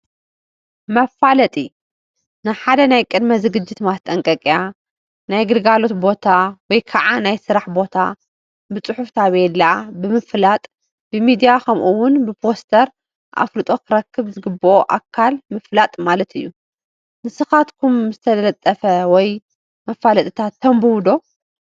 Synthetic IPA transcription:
mɐfalɐt̪ʼi | nɨħad̪ɐnajkʼɨd̪mɐzɨɡɨd͡ʒːɪt̪mat̪ʼɐŋkʼɐkʼja | najɡɨɾɡalo̞t̪bo̞t̪ʰawɔjkʰaʕanajsɨɾaħbo̞t̪ʰa̰ | bɨt͡sʼɨħuft̪ʰaβelabɨmɨflat̪ʼ | bɨmid̪ijakʰɐmʔuwʊnbɨpʰo̞st̪ʰɐɾ | ʔa̰flɨt̪ʼo̞kʰɨɾɐkʰːɨβzɨɡɨbːɨʔoʔakʰːalmɨflat̪ʼmalɐt̪ɨjːu | nɨsɨxat̪kʰumzɨt̪ʰɐllɐt̪ʼːɐfɐwɔj | mɐfːalɐt̪ʼɨt̪ʰat̪ʰːɐmbɨwd̪o̞

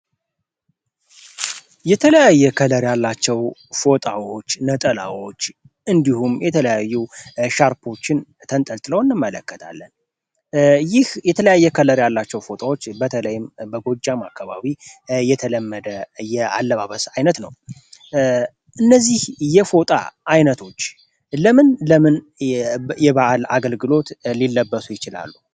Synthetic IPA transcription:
jɛt̪ʰələjajːɛkʰələɾjalːat͡ʃːɛwfo̞t̪ʼawo̞t͡ʃːnət̪ʼəla̰wo̞t͡ʃː | ɨnd̪ihumjɛt̪ʰələjajːuʃaɾpʰo̞t͡ʃːɪnt̪ʰənt̪ʼəlt̪ʼɨləwɨnːɨmːələkːət̪ʰa̰lːən | jɪhjɛt̪ʰələjajːɛkʰələɾjalːat͡ʃːɛwfo̞t̪ʼawot͡ʃːbət̪ʰələjɪmbəɡo̞d͡ʒːamakːaβa̰βijɛt̪ʰələmːəd̪əjɛa̰lːəβaβəsajnət̪nəw | ʔɨnːəzːihjɛfo̞t̪ʼa̰ʔajnət̪ʰo̞t͡ʃː | ləmɨnləmɨn | jɛβaʔala̰ɡəlɡɨlo̞t̪lilːəbːəsujɪt͡ʃɪla̰lːu

